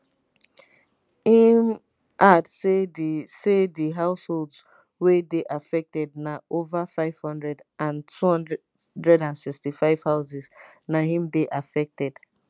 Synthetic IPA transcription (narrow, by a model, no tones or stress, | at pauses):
ĩm | ʔadsesediɦaʊsholdz | wedeʔafɛk̚tɛd̚naovafaɪv̥hɔ̃ndɹɛdãntʰuhɔ̃n | dɹɛdãnsɪkstifaɪv̥haʊzɛznaɦĩmdeʔafɛk̚tɛd̥